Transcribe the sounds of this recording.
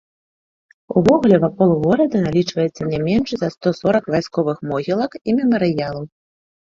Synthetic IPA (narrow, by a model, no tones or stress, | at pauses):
uvɔɣulʲɛvapɔlˠuɣɔɾʲɐd̪ɐnalʲit͡ʂvɐjɛt̪sːɐnʲɛmʲɛnʂzɐst̪ɔsɔɾɐkvajskɔvɨxmɔɣʲilˠɐkimʲɛmɐɾɨjalˠɐw